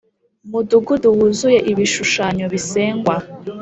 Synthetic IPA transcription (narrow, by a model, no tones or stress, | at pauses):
muduɡuduwuzujeʔiβiʃuʃaːɲoβiseːŋɡwa